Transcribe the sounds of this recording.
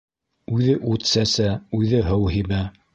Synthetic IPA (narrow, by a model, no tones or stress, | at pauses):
ʉðɘʔʉt̪sæsæʉðɘɦɤwɦibæ